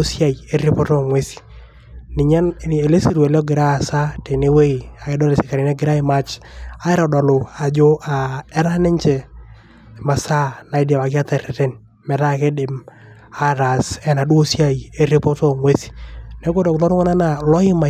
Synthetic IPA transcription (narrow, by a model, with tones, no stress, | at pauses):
sja˨i˨e˦rɪ˦pɔ˦tɔ˦ŋwe˦si̥˨ | nɪ˨ɲa˦ne˨le˦si˨ɾwɛ˨lɔ˦ɡɪ˨ɾa˦˨sa˦te˨ne˦we˦i˨a˨ɪ˦dɔ˦le˨sɪ˨ka˨ɾi˨˦nɛ˦ɡɪ˨ɾa˦ɪ˨ma˦t͡ʃa˦ɛ˦ɾa˨dɔ˨lo˨a˨d͡ʒo˦a˨ɛ˦ɾa˦nɛ˦ɲt͡ʃɛ˨ | ma˨sa˦na˨ɪ˦da˨wa˨kja˦ta˨ɾɛ˨tɛ˦n | mɛ˨ɾa˦ke˦dɪ˨m | a˦˨ɾa˨sɛ˨na˨do˦sja˦ie˦ri˦pɔ˦tɔ˦ŋwe˦si̥˨nɛ˨˦ɡo˦dɔ˨klɔ˦ɾʊ˦ŋɔ˦na˦na˨lɔ˦ɪ˦ma˨